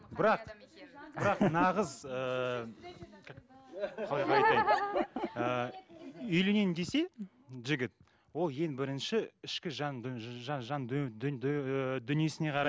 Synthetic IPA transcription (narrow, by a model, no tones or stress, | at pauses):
bɪɾɑqb̥ɪɾɑqnɑʁəzə | ɑlˠɑjqɑɑjt̪ɑjd̪ | ə | ʏjlene̞nd̪e̞se̞ | ʒɪɡʲɪt̪̚ | wo̞lˠje̞ŋbɪɾɪnʃɪɪʃkʲɪʒɑʒʒɑn | d̪ʏnije̞sɪne̞qʰɑɾɑ